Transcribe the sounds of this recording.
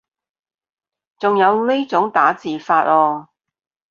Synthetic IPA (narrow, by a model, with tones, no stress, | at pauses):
t͡sʊ˨ŋjɐ˨˧wle˥jt͡sʊ˨˥ŋt̪aː˨˥t͡siː˨faː˧t̚ɔː˧